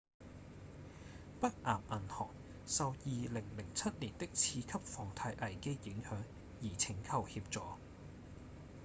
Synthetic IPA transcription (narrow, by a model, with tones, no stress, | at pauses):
pɐ˥k̚ʔaː˨p̚ʔɐ˨˩nhɔ̰ː˨˩k̚ | sɐ˨wjiː˨lɪ˨˩ŋlɪ˨˩ŋt͡sʰɐ˥t̚liː˨˩nt̪ɪ˥k̚t͡sʰiː˧kʰɐ˥p̚fɔː˨˩ŋt̪ʰaː˧jʔɐ˨˩jke˥jɪ˨˥ŋhœː˨˥ŋ | jiː˨˩t͡sʰɪ˨˩ŋkʰɐ˨˩whiː˧p̚t͡sɔː˨˩